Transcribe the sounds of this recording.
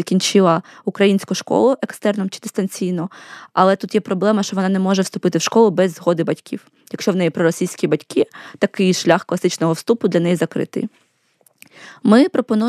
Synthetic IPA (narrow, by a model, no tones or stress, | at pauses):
kʲinʲt͡ʃɪlˠɐʊkɾɐjinʲsʲkʊʃkɔ̰lˠʊʔekst̪ɛrnɔmt͡ʃɪ̥d̪ɪ̥st̪ɐnʲt͡sʲijnɔɐlˠɛt̪ut̪jɛpɾɔblˠɛmɐʃt͡ʃɔʋɔnɑnɛmɔʒɛwst̪ʊpɪt̪ɪwʃkɔlˠʊbɛzɦɔd̪ɪbɐtʲkʲʰḭw | jɐkʃt͡ʃɔwnɛjipɾɔɾɔsʲijsʲkʲibɐtʲkɪt̪ɐkɪjʃlʲaxklˠɐsɪt͡ʃnɔɦɔwst̪upʊd̪lʲɐnɛjizɐkɾɪ̰t̪ɪ̰ | mɪpɾɔpɔnu